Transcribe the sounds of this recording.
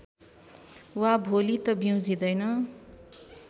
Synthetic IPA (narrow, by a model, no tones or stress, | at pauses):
wabʱolit̪ʌbjʌw̃d͡zid̪ʌjnʌ